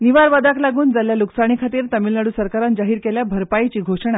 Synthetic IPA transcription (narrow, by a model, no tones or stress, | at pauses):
niʋaɾʋad̪aklaɡuːnd͡zaljaluksaɽ̃ikʰat̪iːɾt̪əmilnaɽuːsəɾkaɾand͡ʑaɦiːɾkeljabʱəɾpajt͡ɕiːɡʱoʂɳ̃a